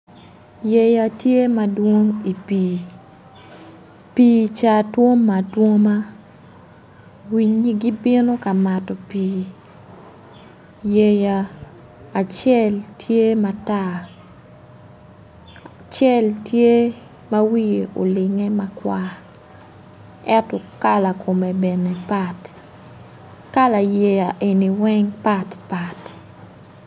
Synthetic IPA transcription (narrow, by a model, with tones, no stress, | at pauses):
je˨ja˨tje˦ma˦dwo˦ŋi˨piː˨ | piː˨t͡ʃa˨two˦ŋːa˨two˦ma˦ | wi˦ɲi˦ɡi˦bɪ˦no˦ka˨ma˨tɔ˨piː˨ | je˨jaː˨ | t͡ʃɛ˦˨ltʰje˦ma˨ta˦ | a | t͡ʃɛ˦ltje˦ | ma˦wi˦je˨ʔo̰˨lɪ˨ŋe˦ma˦kwa˦ | ɛ˦ntɔ˨ka˦la˨kʰo˨me˨be˨ne˨pa˦t | ka˦la˨je˨ja˨ʔe˨ni˨wɛ˦ŋpa˦tpa˨t